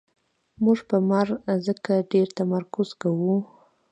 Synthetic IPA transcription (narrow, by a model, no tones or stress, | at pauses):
muʐpəmaɾzəkaɖeɾt̪amaɾkʊz̥kawu